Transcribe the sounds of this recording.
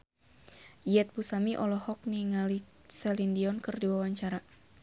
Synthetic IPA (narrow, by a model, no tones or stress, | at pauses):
ijɛt̪̚busamiʔɔlɔhɔk̚niŋali | sɛlindiɔnkɨrdiwawaɲt͡ʃaɾa